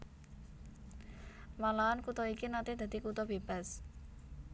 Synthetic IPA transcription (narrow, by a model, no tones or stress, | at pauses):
malaankut̪ɔikinat̪ed̪̥a̤d̪̥ikut̪ɔb̥eb̥a̤s